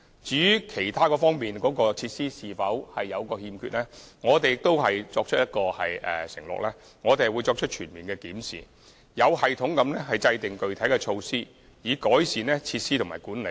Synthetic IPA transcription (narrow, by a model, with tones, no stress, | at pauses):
t͡syː˨˥kʰe˨˩jt̪ʰaː˥kɔː˧fɔː˥ŋmiː˨nkɔː˨˥kɔː˧t͡sʰiː˧t̚siː˥siː˨fɐ˨˥whɐ˨jːɐ˨˧wkɔː˧hiː˧mkʰyː˧t̚lɛː˥ŋɔː˨˧t̪e˨jɪ˨k̚t̪o˥whɐ˨jt͡sɔː˧k̚t͡ʃʰɵ˥t̚jɐ˥t̚kɔː˧hɐ̰˨jʔɛ̰ː˨sɪ˨˩ŋlɔ̰ː˨k̚lɛː˥ | ŋɔː˨˧t̪̬e˨˩˨wu˨˧jt͡sɔː˧k̚t͡ʃʰɵ˥t̚t͡ʃʰyː˨˩nmiː˨nkɛː˧kiː˨˥msḭː˨ | jɐ˨˧whɐ˨jt̪ʰʊ˨˥ŋkɐ˨˥mnɛ˥ɦɐ˨jt͡sɐ˧jt̪ɪ˨˩ŋkɵ˨ɥt̪ʰɐ˨˥jkɛ˧t͡ʃʰo˧wsiː˥ | jiː˨˩kɔː˨˥jsiː˨nɛ˥t͡sʰiː˧t̚siː˥t̪ʰmaː˨˩jkuː˨˥nle˨˧˥